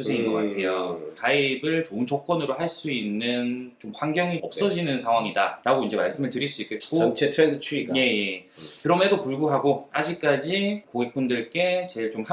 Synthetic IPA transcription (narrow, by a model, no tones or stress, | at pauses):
usʰeinɡʌk͈a̰tʰe̞jokaibɯɭt͡ɕoɯnt͡ɕʰʌk̚k͈ʌnɯɾohaɭs͈uinːɯnt͡ɕomɸwaŋɡjʌŋiʌp̚s͈ʌd͡ʑinɯnsʰaŋɦwaŋidaɾaɡoind͡ʑe̞maɭs͈ɯmɯɭtɯɾiɭs͈uik͈et̚k͈oʌnt͡ɕʰetʰɾendɯt͡ɕʰuiɡje̞jekɯɾʌmedopuɭɡuɦaɡoad͡ʑik̚k͈ad͡ʑikoɡik̚p͈undɯɭk͈e̞t͡ɕe̞ɭt͡ɕomha